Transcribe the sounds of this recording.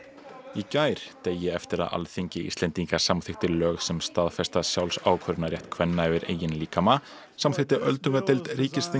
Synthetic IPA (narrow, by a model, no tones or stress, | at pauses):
icaːjɾ̥t̪eːjːɪɛft̪ɪɾa̰ða̰lθiɲcɪḭst̪lɛnt̪iŋkḁsamθɪxt̪ɪlœːɣsɛmst̪aːðfɛst̪asjawlsa̰ːwkʰvœɾnaɾjɛht̪kʰvɛnːaɛvɪɾḛːjɪnliːkama | samθɪht̪ɪʔœlt̪ʏŋkat̪ejlt̪riːcɪsθi